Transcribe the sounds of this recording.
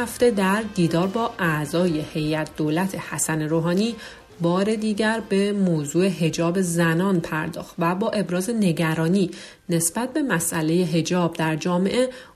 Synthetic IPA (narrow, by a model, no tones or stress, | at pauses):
æft̪e̞d̪æɾd̪iːd̪ɒːɾbɒːʔæzɒːje̞he̞jæt̪̚ʰd̪̥oːlæt̪ʰe̞hæsæneɾoːɦɒːniː | bɒːɾe̞d̪iːɟæɾbe̞moːzuːe̞ɦe̞d͡ʒɒːbe̞zænɒːnpʰæɾd̪ɒ̰ːxt̪væbɒːʔe̞bɾɒːze̞ne̞ɟæɾɒːniː | ne̞sb̥æt̪̚ʰbe̞mæsʔæle̞je̞ɦe̞d͡ʒɒːb̚d̪æɾd͡ʒɒːme̞̰ʔe̞